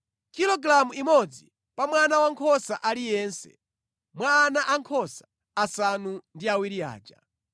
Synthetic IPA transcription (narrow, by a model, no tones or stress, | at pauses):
kilɔɡɾamuimɔd͡zi | pamwanawaŋkʰɔsaʔalijɛːnsɛ̰ | mwaːnaʔaŋkʰɔsḁː | sanundiawiɾia̰ːd͡ʒa̰